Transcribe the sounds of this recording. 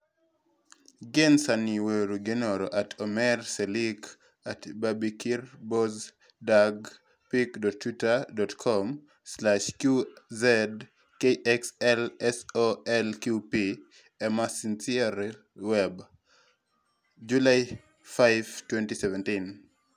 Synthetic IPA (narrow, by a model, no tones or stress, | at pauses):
ɡensaniweɾuɡenoɾɔʔatʰɔmɛrselik | atbabikirbɔz | daɡ | pikdɔtʰːwutadɔtkʰɔm | slaʃkjuzɛd | keʔɛksɛlɛsoɛlkjupi | ɛmasinsiaɾ | wɛb | d͡ʒulaj | faɪvtwɛntisɛvɛntin